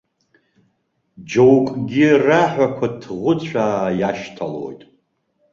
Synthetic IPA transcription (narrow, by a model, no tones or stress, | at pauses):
d͡ʒowkʼɡʲiraħʷᶣakʷʰatʰʁʷʊt͡ɕʷʰaːjaʃtʰalo̰jtʼ